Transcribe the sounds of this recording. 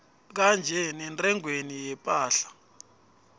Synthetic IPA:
k̬and͡ʒʱɛnɛntʼɛŋwenijɛpʼaːɬḁ

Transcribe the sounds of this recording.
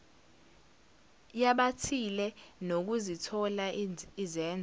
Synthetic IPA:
jaɓatʰilɛnok̬uzitʰɔlaizɛːnd͡zʱ

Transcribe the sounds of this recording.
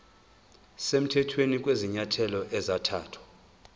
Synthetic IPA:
sem̩tʰɛtʰwenik̬ʼweziɲatʰɛlɔʔɛzatʰa̰ːtʰwḁ

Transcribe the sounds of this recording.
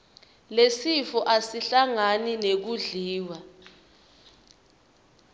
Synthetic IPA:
lesifɔʔasiɬaŋaninek̬uɮiːwa

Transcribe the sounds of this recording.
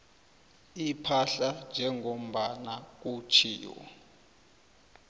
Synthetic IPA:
ipʰaɬand͡ʒʱɛŋom̩ɓanak̬ut͡ʃʰḭːwɔ̰

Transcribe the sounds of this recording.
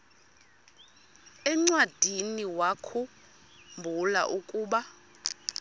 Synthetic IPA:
ɛŋ͡ǀwad̥ʱiniwakʰu | mbʱula̰ʔukʼuːɓa

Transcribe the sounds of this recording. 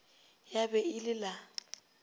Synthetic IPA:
jabɛɪlɪla

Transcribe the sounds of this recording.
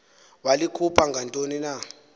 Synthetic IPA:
walikʰupʰaŋɡʱantʼonina

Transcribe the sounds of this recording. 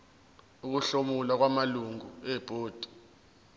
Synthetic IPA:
uk̬uɬomulwak̬wamaluŋɡuɛb̥ʱʼoːd̥ʱi̥

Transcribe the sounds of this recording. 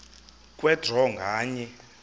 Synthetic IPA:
kʼwɛdʱɔŋɡʱaːɲɛ

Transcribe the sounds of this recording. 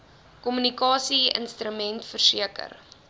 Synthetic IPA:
kɔmynikɑːsiə̰nstɾəmɛntfərsiəkə̰r

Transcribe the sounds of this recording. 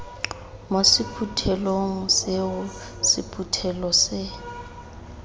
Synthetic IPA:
mosɪpʰutʰɛloŋ̩seʊ | sɪpʰʼutʰɛlɔsɪ

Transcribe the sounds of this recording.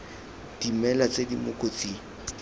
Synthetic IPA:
d̥imɛlat͡sedimʊkʼot͡sʼi

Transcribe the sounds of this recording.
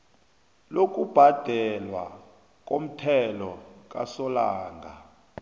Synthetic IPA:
lok̬ʼub̥ʱad̥ʱɛlwa̰ | k̬ʼom̩tʰɛlɔk̬ʼa̰sɔlaːŋɡʱa

